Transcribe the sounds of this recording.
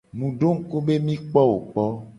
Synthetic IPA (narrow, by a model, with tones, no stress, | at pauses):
mũ˨ɖo˦ŋ̩˦ko˦be˦mĩ˦k͡pɔ˦wo˨k͡pɔ˦